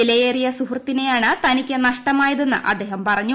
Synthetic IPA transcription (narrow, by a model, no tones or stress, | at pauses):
ilɐjeːrijɐsuɦrɐt̪ːine̞jaːɳɨt̪ɐnikʲːɐnɐʂʈɐmaːjɐðe̞nːɨ̰ʔɐ̰d̪ːe̞ːɦɐmpɐrɐɲːu